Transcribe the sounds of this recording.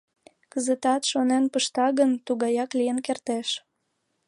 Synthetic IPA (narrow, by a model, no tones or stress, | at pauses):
kəzət̪ɑt̪ʃonenpəʃt̪ɑɣənt̪uɣɑjɑklijənkert̪eʃ